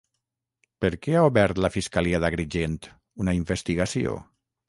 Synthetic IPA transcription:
pəɾkɛaoβɛɾt̪ləfiskaliaðaɣɾiʒent̪ | unaiɱbest̪iɣasio̰

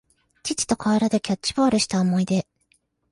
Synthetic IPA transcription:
t͡ɕit͡ɕi̥t̪o̞kʰaeɾad̪e̞kʲat͡ɕt͡ɕːibo̞ːɾɯ̟ɕi̥t̪aomo̞id̪e̞

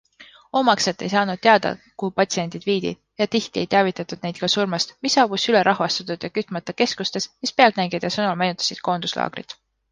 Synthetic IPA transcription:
o̞mɑkset̪ːˑe̞jsɑːnud̪̥̚t̪e̞ɑd̪̥ɑ̰kuhupɑt̪sie̞nd̪̥id̪viːd̪ḭ̥ | jɑt̪iht̪ie̞jt̪eɑvit̪ːˑɑt̪ːˑud̪ne̞jd̪̚kɑsurmɑst̪misːɑːbusyle̞ɾʔɑhvɑst̪ɑt̪ˑud̪̥jɑkyt̪ːˑmɑt̪ːˑɑke̞skust̪e̞smispeɑlnæŋɡ̥ed̪̥jɑsɤnulmæjnut̪ːˑɑ̥sid̪̥̚ko̞ːnd̪̥uslɑ̰ːɡ̥rḭt̪

